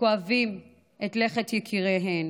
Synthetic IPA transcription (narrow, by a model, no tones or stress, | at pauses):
oavim | ʔetle̞χetjɛkʰiʁeɦen